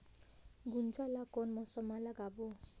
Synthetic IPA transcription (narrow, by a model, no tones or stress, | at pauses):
ɡunt͡salakɔnmɔsʌmalaɡabo